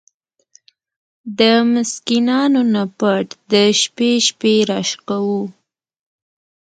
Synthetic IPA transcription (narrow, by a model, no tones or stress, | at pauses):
d̪əmʊskinɑnonapaʈd̪əʃpeʃpeɾaʃqawu